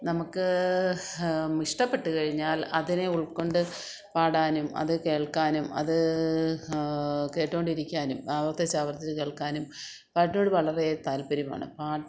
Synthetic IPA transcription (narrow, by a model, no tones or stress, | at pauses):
nɐmukːɨ | miʂʈɐpːe̞ʈːukɐɻiɲːaːlɐðineuɭkːo̞ɳɖɨ | paːɽaːnumɐ̰ðɨke̞ːɭkaːnumɐ̰ðɨ | ke̞ːʈːo̞ːɳɖiɾikʲːaːnumaːʋɐrt̪ɐt͡ɕːaːʋɐrt̪ːit͡ɕːɨke̞ːɭkːaːnum | paːʈino̞ːɽɨʋɐɭɐret̪aːlpɐɾuma̰ːɳɨ̰paː